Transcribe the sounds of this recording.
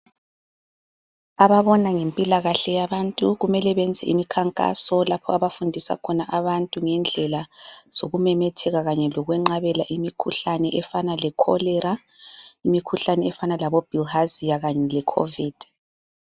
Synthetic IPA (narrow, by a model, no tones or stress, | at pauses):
aβaβɔnaŋempʼilaɣaɬɛjaβantʼuɣumɛlɛβɛnd͡zʱɛ̰ʔimikʰaŋkʼa̰sɔlapʰɔ̰aβafundʱisa̰kʰɔnaʔaβantʼuŋɛnd͡ɮʱɛlaz̥oɣumɛmɛtʰɛɣaɣaɲɛlɔɣwɛŋ͡ǃaβɛlaʔimikʰuɬanɛʔɛfanalɛkʰɔ̰lɛɾa | imikʰuɬanɛɛfanalaβob̥ʱilhazijaɣaɲɛlɛkʰo̰viːd̥